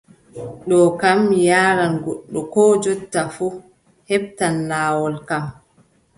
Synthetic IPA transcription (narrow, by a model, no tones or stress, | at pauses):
ɗɔkamːijaːɾanɡɔɗːɔkɔːd͡ʒɔtːafu | hɛbtanːaːwɔlkam